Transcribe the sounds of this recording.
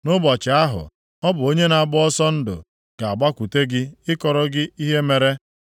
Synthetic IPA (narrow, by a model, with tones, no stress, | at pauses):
nʊ˦bɔ˨t͡ʃɪ˨a˦ɦʊ̰˨ | ɔ˦bʊ˨o˦ɲe˦na˨bʊ˦ɔ˦sɔ˦n̩˦dʊ̰˨ | ka˨a˨ɡ͡ba˦kʷu˨te˦ɡɪ˦ɪ˦kɔ˨ɾɔ˦ɡɪ˦i˦ɦe˦me˨ɾe˦